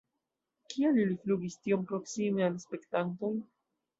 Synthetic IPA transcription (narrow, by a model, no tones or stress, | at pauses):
kʰialilifluɡistio̞mpɾo̞ksimealspe̞ktanto̞j